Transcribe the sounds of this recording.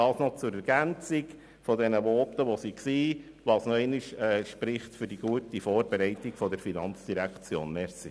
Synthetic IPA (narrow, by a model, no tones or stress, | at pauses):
ɑːsnɔt͡sʊɾɛɾɡ̥ænt͡siɡ | fɔdɛnəʋɔːtəʋɔsiksiː | ʋɑsnɔɛɪniʃɛʃpɾɪχtfʏɾd̥iɡuətifɔːɾbɛɾɛɪtiɡ̥fɔdɛɾfinɑnt͡sd̥iɾækt͡sjo̰ːnmɛɾsi